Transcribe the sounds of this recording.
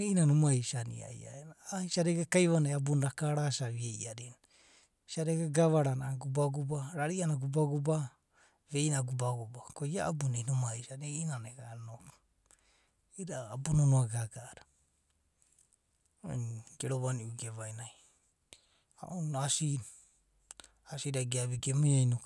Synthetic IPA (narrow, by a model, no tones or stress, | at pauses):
einanomaisanḭa̰ḭa̰enaisaɾeɡakajβanajabunɾakaɾasaiejʔaɾena | saɾeɡaɡaβaɾanaɡubaɡubaɾaɾianaɡubaɡuba | βeinaɡubaɡubakoia̰abunenomaisaneinaneɡanok | iɾaːbunonoaɡaɡaːɾa | o̰ɡeɾoβaniuɡeβajnaj | a̰ʔonasi | asiɾaɡiaβiɡemajajnok